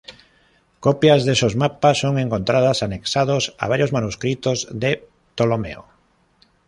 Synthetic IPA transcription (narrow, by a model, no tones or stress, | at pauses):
kopjɐzðesozmapasːoŋeŋkont̪ɾað̞ɐsaneksaðosɐ̰βaɾjozmanuskɾit̪ozðe | t̪olomḛo̰